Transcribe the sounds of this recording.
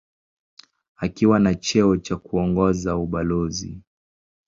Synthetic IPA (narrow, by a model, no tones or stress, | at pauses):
akiwanat͡ʃɛɔt͡ʃakuɔŋɡɔzauɓalɔzḭ